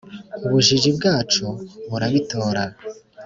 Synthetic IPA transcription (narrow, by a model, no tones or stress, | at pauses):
uβuʒiʒibɡaːt͡ʃuβuɾaβito̞ːɾa